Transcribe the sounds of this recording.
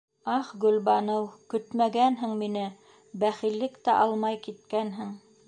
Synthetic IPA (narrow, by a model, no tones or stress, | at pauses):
ɑχɡɵ̆lβɑnɤwkɵt̪mæɡænɦɘŋminɘ | bæχilːɘkt̪æʔɑlˠmɑjkit̪̚kænɦɘŋ